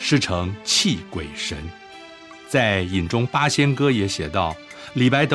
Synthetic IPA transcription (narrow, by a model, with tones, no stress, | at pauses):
ʂɻ̩˥˩ʈ͡ʂʰɤ˧˥ŋt͡ɕʰi˥˩kwe˨˩ɪʂə̰˧˥n | t͡sa˥˩ɪi˨˩nʈ͡ʂʊ˥ŋpa˥ɕjɛ˥nkɤ˥jɛ˧˥ɕjɛ˨˩t̪ɑ˥˩ʊ | li˨˩pa˥ɪt̪ɤ˧